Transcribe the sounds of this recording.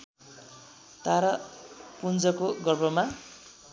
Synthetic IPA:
t̪aɾapund͡zʌkoɡʌrbʌma

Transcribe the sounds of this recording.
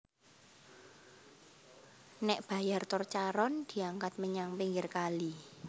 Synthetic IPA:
nɛʔb̥ä̤jart̪ɔrt͡ʃaɾɔnd̪̥i̤aŋkat̪̚məɲaŋpiŋɡɪrkali

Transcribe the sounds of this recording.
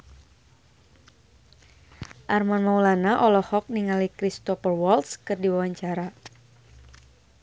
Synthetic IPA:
ʔarmanmaulanaʔɔlɔhɔk̚niŋalikɾist̪ɔfərwɔlskɨrdiwawaɲt͡ʃaɾa

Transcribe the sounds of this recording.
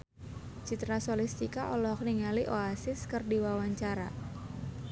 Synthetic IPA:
t͡ʃit̪ɾasolist̪ikaʔɔlɔk̚niŋaliʔoasɪskɨrdiwawaɲt͡ʃaɾa̰

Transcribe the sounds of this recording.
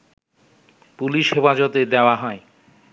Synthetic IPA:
puliʃhefad͡ʑot̪ed̪eoaɦɔe

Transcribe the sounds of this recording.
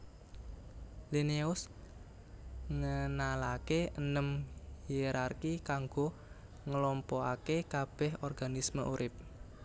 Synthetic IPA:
lineʊs | ŋənalakeənəmhieɾarkikaŋɡo | ŋəlɔmpɔakekab̥ɛhɔrɡ̥a̤nisməʔuɾɪp̚

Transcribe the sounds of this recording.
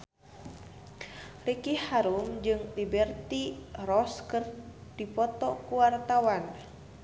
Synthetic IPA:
rikihaɾumd͡ʒɨŋlibɛrt̪irɔskɨrd̥ipɔt̪ɔkuwart̪awan

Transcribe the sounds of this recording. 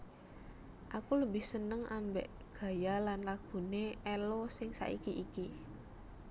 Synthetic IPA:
ʔakuləbɪhsənəŋambḛʔ | ɡ̥a̤jalanlaɡ̥ṳneɛlɔsɪŋsa̰ʔḭkiʔːki

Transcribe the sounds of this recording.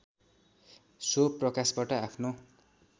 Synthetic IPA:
soprʌkasbaʈʌapʰno

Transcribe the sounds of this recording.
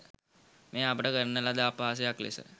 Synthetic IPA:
meːapəʈəkəɾənəlad̪apaːsejaklḛsə̰

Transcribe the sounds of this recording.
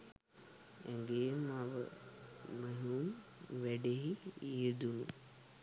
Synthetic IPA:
ɛŋɡemaʋə̰ | məɦunʋɛɖeɦiid̪unu

